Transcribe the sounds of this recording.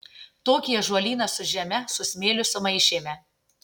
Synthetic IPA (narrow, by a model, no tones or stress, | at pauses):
t̪oːkʲijɛʒuɔlʲiːnɐsʊʒʲɛmʲɛsʊsʲmʲeːlʲʊsʊmɐɪʃʲeːmʲɛ